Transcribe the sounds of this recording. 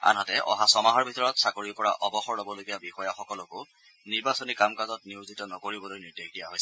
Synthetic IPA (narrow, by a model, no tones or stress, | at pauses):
a̰nɦatɛʔɔ̰ɦasɔmaɦɔɹbʱitɔɹɔtsakoɹipɔɹa̰ʔɔbɔxɔɹlɔbɔloɡijabixɔjaxɔkɔlɔkʊ | niɹbasɔnikamkazɔtniwzitɔnɔkoɹibɔlojnidokdija̰ɦojsɛ